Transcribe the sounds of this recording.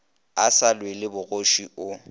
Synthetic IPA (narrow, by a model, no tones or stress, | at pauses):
asalwelɪbʊɣoʃiʊ